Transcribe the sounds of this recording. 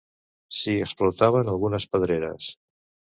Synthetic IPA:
siəksplut̪aβənəlˠɣunəspəðɾeɾə̰s

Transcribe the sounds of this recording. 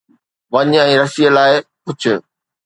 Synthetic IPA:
ʋɐɲɛ̃ːɾɐsijəlaːɪpʊt͡ɕʰʊ̆

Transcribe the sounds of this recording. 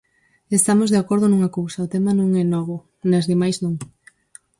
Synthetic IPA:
est̪amozðeakoɾðʊnũŋakowsɐʊt̪emɐnõŋɛnɔɣʊ | nɐzðemajsznõŋ

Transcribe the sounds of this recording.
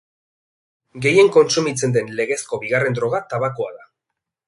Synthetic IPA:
ɡe̞je̞ŋko̞nsumit͡se̞nd̪e̞nle̞ɣe̞sko̞βiɣare̞nd̪ɾo̞ɣ̞at̪aβakoaða

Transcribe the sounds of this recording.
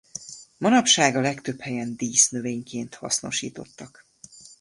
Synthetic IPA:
mɒnɒpʃaːɡɒlɛkt̪øphɛjɛnd̪iːsnø̞veːɲkeːnt̪hɒ̰sno̞̰ʃḭːt̪o̞t̪ːɒk

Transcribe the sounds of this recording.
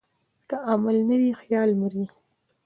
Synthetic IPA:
kaʔamalnawixjɑlməɾi

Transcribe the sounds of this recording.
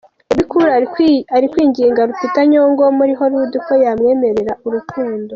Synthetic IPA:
eβikuɾaaɾikwiːɲɟiːŋɡaɾutitaɲoŋɡomuɾiɦo̞ɾuːdiko̞jamŋe̞ːme̞ɾe̞ɾaʔuɾukuːndo̞

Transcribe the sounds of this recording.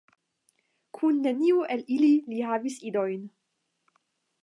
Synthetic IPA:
kʰunːe̞niuʔelililihaːvisido̞jn

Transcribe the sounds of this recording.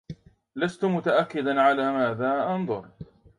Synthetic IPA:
last̪ʊmʊt̪aʔakːɪd̪anʕalaːmaːðaːʔɑnðˤʊɾˤ

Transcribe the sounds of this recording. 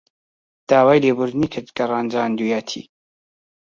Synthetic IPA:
d̪̥aːwaːjleːbʊɾd̪niːkʰɨt̪ɡɐrɑːnd͡ʒaːnd̪ujaːt̪ʰḭː

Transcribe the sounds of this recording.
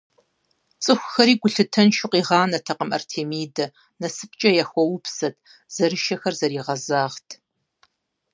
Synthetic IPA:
t͡sʼɨxʷʊxɐɾiːɡʷʊɬɨtʰɐnʃʊqiːʁɑːnɐtʰɐqəmʔɐ̰rtʰeːmiːdɐ | nɐsɨp̚ʰt͡ʃʼɐjaxʷɔwʊpʰsɐtʰ | z̥ɐrɨʃɐxɐrzɐɾiːʁɐzaːʁtʰ

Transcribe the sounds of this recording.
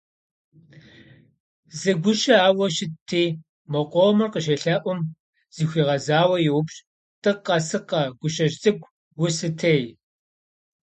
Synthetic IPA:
zɨɡʷʊʃɐaːwɐʃɪtʰːeː | mɐqʷʼomɨrqəʃɐɬaːʔʷʊm | z̥iːxʷiːʁɐzaːwɐjɪwʊpɕʼ | tʼɨqɐsɨqɐɡʷʊʃɐʒt͡sʼɨɡʷ | wʊsɨtʰej

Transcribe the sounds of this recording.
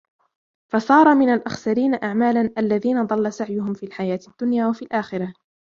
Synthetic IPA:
fɑsˤɑːɾˤɑmɪnalʔaxsaɾiːnaʔaʕmaːlanʔalːaðiːnad̪ˤɑlːasaʕjʊɦʊmfiːlħajaːt̪ɪd̪̥ːʊnjaːwafiːlʔaːxɪɾa

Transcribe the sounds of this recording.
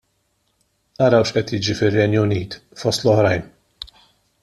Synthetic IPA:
nɐɾɐwʃʔɛt̪jɪːd͡ʒifɪrːɛnjʊniːt̪fɔst̪lɔhɾɐjn

